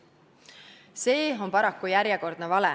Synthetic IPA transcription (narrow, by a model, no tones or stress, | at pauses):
se̞ːo̞mpɑɾɑkːujæɾjeko̞rd̪̥nevɑlɛ